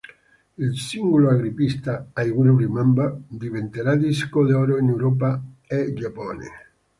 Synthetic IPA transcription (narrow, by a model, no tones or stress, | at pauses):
ilsiŋɡoloaɣɾipist̪aajɣunuɾimambad̪ivent̪eɾad̪iskod̪eɔɾoinewɾɔp̬aed͡ʒapɔːnḛ